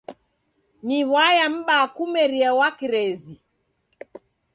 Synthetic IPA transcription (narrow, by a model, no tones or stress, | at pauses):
miβwajam̩ɓakumɛɾiɛwakiɾɛzi